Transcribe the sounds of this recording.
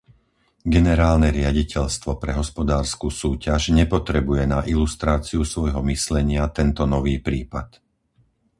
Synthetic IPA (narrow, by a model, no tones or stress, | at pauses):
ɡɛnɛɾaːlnɛɾɪaɟicʰɛʎst̪ʋɔpɾɛɦɔspɔd̪aːɾskusuːcaʒɲɛpɔt̪ɾɛbujɛnaʔilust̪ɾaːt͡siusʋɔjɦɔmislɛɲɪat̪ɛnt̪ɔnɔʋiːpɾiːpat̪